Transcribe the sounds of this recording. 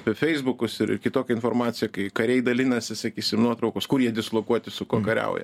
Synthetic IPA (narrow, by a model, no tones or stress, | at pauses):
fʲɛɪzbʊkʊsɪɾɪ̰rkʲɪt̪oːkʲɛɪnfoːrmɑːt̪t͡s̪ʲsʲɪjɛkɐɪkɐɾʲɛɪd̪ɐlʲɪnɐsʲɪsɐkʲiːsʲɪmnuɔt̪ɾɒʊkoskʊɾjiɛd̪ʲɪslˠoːkuɔt̪ʲɪsʊkuɔkɐɾʲɛ̰ʊjɛ̰